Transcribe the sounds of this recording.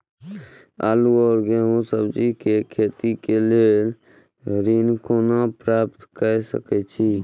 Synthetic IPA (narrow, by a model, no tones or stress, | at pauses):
a̰ːluɔːɾɡeɦũsəbd͡ʒikekʰeːt̪ikeleːl | ɾinkoːnapɾaːpt̪kəsə̰kɛt͡ʃʰi